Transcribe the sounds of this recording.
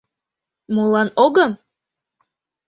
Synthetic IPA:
mulˠɑnoɡɤm

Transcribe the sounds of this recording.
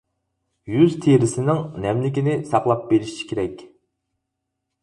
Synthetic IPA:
jyzt̪ʰeɾɪsɪnɪŋnɛmlɪkʲinɪsɑqlˠɑp̚beɾɪʃʃʰi̥kʲʰeɾɛkʲ

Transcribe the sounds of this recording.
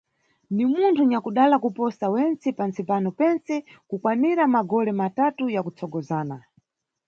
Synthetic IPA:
nimuntʰuɲakuɗalakupɔsawɛnt͡sɛpant͡sipanɔpɛnt͡sɛkukwamiɾamaɡɔlɛmatatujakut͡sʰɔɡɔzaːna

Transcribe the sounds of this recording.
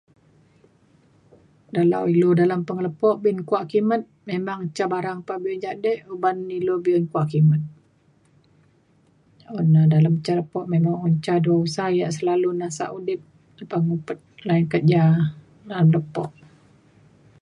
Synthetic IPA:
dala̰wilodalampəŋələpɔʔbinkuaʔkimət̪̚memaŋt͡ʃabaɾaŋpabiɔnd͡ʒadɛʔubanːilobiɔnkuaʔkimət̪̚ | ɔnadalamt͡ʃaləpɔʔmemaŋɔnt͡ʃaduausajaʔsəlalunasa̰ʔudɪp̚ | ləpaŋupət̪̚laɪnkət̪̚d͡ʒa | dalamləpɔʔ

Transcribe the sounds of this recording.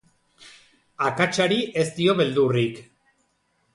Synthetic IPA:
akat͡ʃaɾiʔe̞st̪io̞βe̞ld̪urik

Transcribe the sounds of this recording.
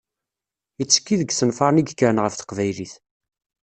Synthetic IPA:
ət͡sːə̥kːiðəɡsənfɑɾˤniɡkːəɾnʁəfθə̥qvæjliθ

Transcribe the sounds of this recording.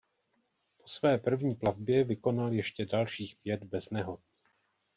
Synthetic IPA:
po̞̥svɛːpr̩vɲiːplavbjɛvɪko̞naljɛʃcɛdalʃiːxpjɛd̪bɛznɛɦo̞t̪̚

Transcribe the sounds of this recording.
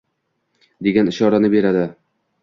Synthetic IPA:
d̪e̞ɡʲanɪʃɒɾanɪbe̞ɾad̪ɪ

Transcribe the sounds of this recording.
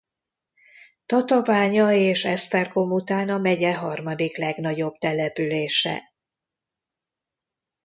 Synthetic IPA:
t̪ɒt̪ɒvaːɲɒeːʃɛst̪ɛrkomut̪aːnɒmɛɟɛɦɒrmɒd̪iklɛɡnɒɟo̞bt̪ɛlɛpyleːʃɛ̰

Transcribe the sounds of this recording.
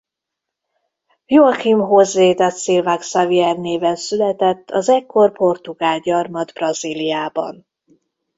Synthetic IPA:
juɒximɦozːeːt̪at̪silvaːksaviɛrneːvɛnsylɛt̪ɛt̪ʰːɒzɛkʰːo̞rpo̞rt̪uɡaːlɟɒrmɒd̪brɒzilijaːbɒ̰n

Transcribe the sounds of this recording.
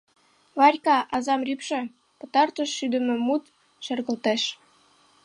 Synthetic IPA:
βɑɾʲkɑʔɑzɑmrʲypʃĕ | pɤ̆t̪ɑrt̪ə̆ʃːyd̪ə̆mɘ̆mut̪ | ʃɘ̆rɣɤ̆lt̪eʃ

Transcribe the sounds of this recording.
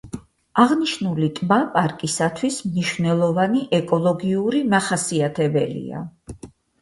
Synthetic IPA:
aʁniʃnulit̪ʼmapʼaɾkʼisat̪ʰwismniʃvnɛlˠɔvaniʔɛkʼɔlˠɔɡiuɾimaχasiat̪ʰɛbɛ̰lḭa̰

